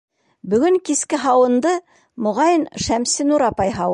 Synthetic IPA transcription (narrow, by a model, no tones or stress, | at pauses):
bɵ̆ɡɵŋkiskɘɦɑwɤ̆nd̪ɤ | mŏʁɑjənʃæmsɘnuɾɑpɑjɦɑw